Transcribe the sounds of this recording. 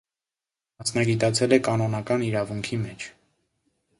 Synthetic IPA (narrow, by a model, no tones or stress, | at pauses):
mɑsnɑɡit̪ɑt͡sʰɛlɛkɑnɔnɑkɑniɾɑvuŋkʰimɛt͡ʃʰ